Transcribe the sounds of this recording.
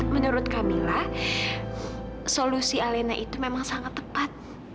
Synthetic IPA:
mənuɾʊt̪̚kamilah | solusialenaʔit̪umemaŋsaŋat̪ːəpat̪̚

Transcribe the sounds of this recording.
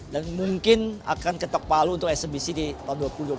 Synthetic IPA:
danmuŋkɪna̰kankət̪ɔk̚paluːnt̪ʊkɛsəbisidit̪aɦunduapuludua

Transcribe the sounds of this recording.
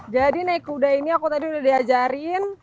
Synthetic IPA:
d͡ʒadinaikudainiakut̪adiudahdiad͡ʒaɾin

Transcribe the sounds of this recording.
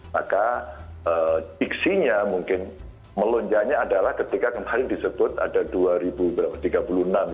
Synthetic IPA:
makaəd͡ʒiksiɲamuŋkɪn | məlɔɲd͡ʒaɲaːdalahkət̪ikakəmhalɪŋdisəbʊt̪a̰daduaɾibubəɾapḁt̪iɡapulunam

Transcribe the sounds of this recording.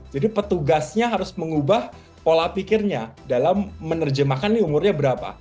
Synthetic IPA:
d͡ʒadipət̪uɡasɲaɦaɾʊsməŋubah | polapikɪrɲadalamːənərd͡ʒəmakaniumʊrɲabəɾapa̰

